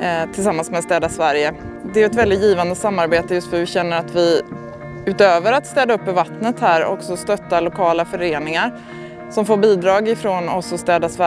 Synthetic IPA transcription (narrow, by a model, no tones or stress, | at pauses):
t̪ʰɪlsamːansmɛst̪ɛːd̪asvæɾjə | d̪ɛʉɛt̪vɛld̪ɪt̪jiːvand̪əsamːaɾbeːt̪əjɵst̪fœɾvɪɕɛnːəɾat̪vɪ | ʉ̟ːt̪øːvəɾat̪st̪ɛːd̪aɵpːœɾvat̪nət̪hæːɾɔ̰ksɔst̪œt̪ːalʊkʰɑːlafœɾeːnɪŋaɾ | sɔmfoːɾbiːd̪ɾɑːɡɪfɾoːnɔsɔst̪ɛːd̪asvæ